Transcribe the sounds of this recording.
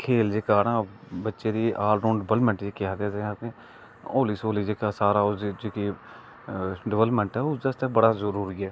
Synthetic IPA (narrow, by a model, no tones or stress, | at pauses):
kʰeːld͡ʒeːkaːɾãːbətːʃeːd̪iːʔaːlɖõːɳɖəbəlmɛ̃ɳʈd͡ʒeːkɪaːd̪aːzeãːt̪eː | oːliːsoːliːd͡ʒeːkaːsaːɾaːoid͡ʒeːkiː | ɖɪʋələpmɛ̃ɳʈɛːʊsəst̪ɛ̃bəɽaːzəɾuːɾiːɛː